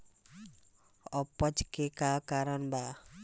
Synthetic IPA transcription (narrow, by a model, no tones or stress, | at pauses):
ʌpːʌt͡ʃkekakaɾʌnba